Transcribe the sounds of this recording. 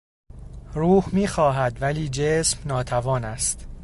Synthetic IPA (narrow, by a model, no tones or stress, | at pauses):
ɾuːhmiːxɒːɦæd̪væliːd͡ʒeːsmnɒːt̪ʰævɒːnæst̪